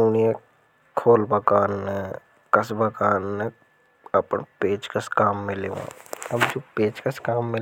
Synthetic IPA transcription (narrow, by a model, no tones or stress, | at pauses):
unie | kʰoːlbɐkaːnːe | kɐsbɐkaːnːe | ɐpnpeːd͡ʒkɐskaːmːɪleʋã̰ːɐbd͡ʒoːpeːd͡ʒkɐskaːmːɪ